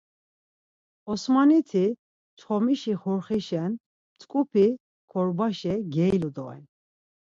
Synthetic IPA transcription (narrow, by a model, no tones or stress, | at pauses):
ɔsmanit̪ʰi | t͡ʃʰχɔmiʃiχuɾχiʃɛn | t͡sʼkʼupʰi | kʰɔɾbaʃɛɡɛilud̪ɔ̰ɛ̰n